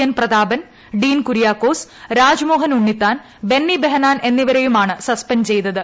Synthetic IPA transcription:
ɐnprɐd̪aːbɐn | ɖiːnkuɾijaːkːo̞ːsɾaːd͡ʑmo̞ːɦɐnuɳːit̪ːaːn | be̞nːibeɦɐnaːnʔe̞nːiʋɐɾejumaːɳɨsɐspɐnt͡ɕe̞jt̪ːɐðɨ

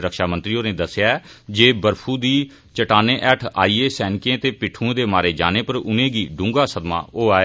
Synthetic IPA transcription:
ɾəkʃaːmənt̪ɾiːoːnẽːd̪əsjaːɛd͡ʒeːbəɾpʰuːd̪iː | t͡ʃəʈaːneːʔɛːʈʰa̰ːiːeːsɛːnkẽːt̪eːpɪʈʰːũːẽːd̪eːmaːɾeːd͡ʒa̰ːneːpəɾʊnẽːɡiːɖʊ̃ŋɡaːsəd̪ma̰ːoːaːe

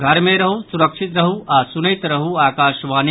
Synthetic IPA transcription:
ɡʱɐɾmẽɾɐɦusuɾəkʃʰit̪ɾɐɦuʔaːsunəjt̪ɾɐɦuaːkaːʃʋaːn

